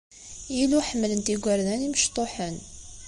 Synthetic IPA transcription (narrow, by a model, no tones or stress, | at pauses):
iluħəmːələnt̪iɡʷæɾðæniməʃt̪ˤoħən